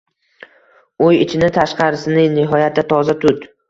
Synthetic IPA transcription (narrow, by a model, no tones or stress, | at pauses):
ojɪt͡ʃʰɪnɪt̪ʰaʃqɑɾɪsɪnɪnɪɦɒjat̪ʰːat̪ʰɒzat̪ʰʊt̪